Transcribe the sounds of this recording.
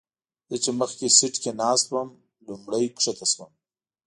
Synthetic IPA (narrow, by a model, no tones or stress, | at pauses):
d̪̥ət͡ʃeməxkesɪʈkenɑːst̪̚bəm | lumɽajkʂet̪ʰaswəm